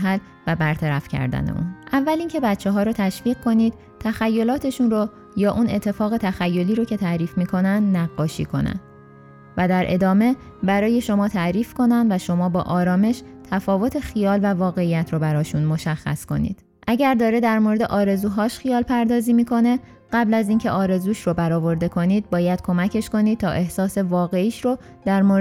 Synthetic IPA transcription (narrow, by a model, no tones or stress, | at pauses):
ɦæl | væbæɾt̪ʰæɾæfcʰæ̰ɾd̪æ̰nḛʔṵnʔævːæliŋcʰe̞bæt̪t͡ʃʰːeɦɒːɾoːt̪ʰæʃviːɣ̚kʰo̞niːd̪̥̚ | t̪ʰæxæjːo̞lɒːt̪ʰe̞ʃunro | jɒːʔune̞t̪ʰːe̞fɒːɣe̞t̪ʰæxæjːo̞liːɾocʰe̞t̪ʰæʔɾiːfmiːkʰo̞nænd̪næɡːɒːʃḭːkʰo̞̰næ̰nd̪̥ | væd̪æɾʔe̞̰d̪ɒːme̞bæɾɒːje̞ʃo̞mɒːt̪ʰæɾiːfkʰo̞nænd̪væʃo̞mɒːbɒːʔɒːɾɒːme̞ʃ | t̪ʰæfɒːvo̞t̪ʰe̞xijɒːlvævɒːɣe̞ijæt̪ʰɾobæɾɒːʃunmo̞ʃæxːæ̰sko̞̰nḭːd̪̥ | ʔæɟæɾd̪ɒːɾe̞d̪æɾmoɾe̞d̪eʔɒːɾe̞zuːɦɒːʃxijɒːlpʰæɾd̪ɒːziːmiːkʰo̞ne̞ | ɢ̥æblæziːncʰeʔɒːɾe̞zuːʃɾobæɾɒːvo̞ɾd̪e̞kʰo̞niːd̪̚bɒːjæd̪̥̚kʰo̞mæcʰe̞ʃko̞nid̪̚t̪ʰɒːʔe̞hsɒːse̞vɒːɣe̞iːʃɾo | d̪̥æɾmo